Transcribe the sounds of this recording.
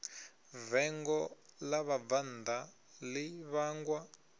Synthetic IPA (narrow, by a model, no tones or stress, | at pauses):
vɛŋɡɔlaβavand̪a | liβaŋɡwa